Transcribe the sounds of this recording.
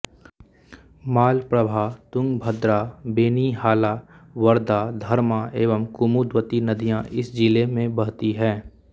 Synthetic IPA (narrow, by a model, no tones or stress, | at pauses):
maːlpɾəbʱaːt̪ʊ̃ŋɡbʱəd̪ɾaːbeːniɦaːlaːwəɾd̪aːd̪ʱəɾmaeːʋəmkʊmuːd̪wət̪inɐd̪ijãʔɪsd͡ʒɪlemẽbəɽt̪iɦɛ̃ː